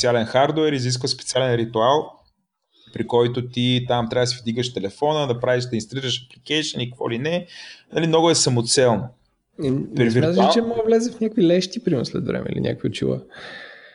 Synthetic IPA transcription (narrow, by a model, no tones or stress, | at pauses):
ɛt̪sialɛnxaɾd̪ovɛɾizis̬kvəspɛ̥t̪sʲialɛnɾit̪ʊalˠ | pɾikɔjt̪ot̪it̪amt̪ɾʲavəd̪sɛvd̪iɡəʃt̪ɛlɛfɔnəd̪ɐpɾaviʃd̪ɐinst̪ɐliɾəʃɐplikɛjʃənikəkvɔ̰linɛnɐlimnɔɡʊɛsɐmot̪sɛlˠno | pɛɾviɾat̪liat͡ʃɛmɔɡəvlɛzɛfnʲakvilɛʃt̪ipɾiməslɛ̰d̪vɾɛ̰mɛ̰ḭlʲḭnʲʔa̰kviʊ̰t͡ʃḭvə̰